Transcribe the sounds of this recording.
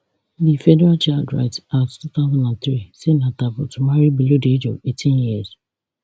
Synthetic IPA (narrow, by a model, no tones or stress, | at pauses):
ðifɛdɛɹalt͡ʃaɪldɹa̰ɪtsakstuθaʊzãndãnθɾisenatabʊtumaɾibiloded͡ʒo̰etʰĩnjiz̥